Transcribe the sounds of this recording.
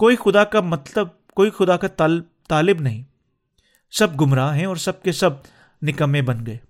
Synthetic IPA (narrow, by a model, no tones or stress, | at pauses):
koːixʊd̪akamɐt̪ləb̚ | koːixʊd̪akat̪ː | t̪aːlɪbnɐɦĩː | sɐb̚ɡʊmɾaːɦɛ̃ɔːɾsɐb̚kesɐb̚ | nɪkəmẽbɐnɡɐeː